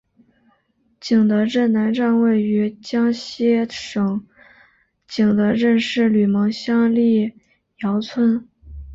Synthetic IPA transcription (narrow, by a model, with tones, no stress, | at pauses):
t͡ɕi˨˩ŋd̪ə˧˥ɻə˥˩nna˧˥nʈ͡ʂa˥˧nwe˥˩ɪy˧˥t͡ɕjɑ˥ŋɕjɛ˥ʂɤ˨˩ŋ | t͡ɕi˨˩ŋd̪ə˧˥ɻə˥˧nʂɻ̩˥˩ly˨˩mɤ˧˥ŋɕjɑ˥ŋli˥˩ | jɑ˧˥ʊt͡sʰwə˥n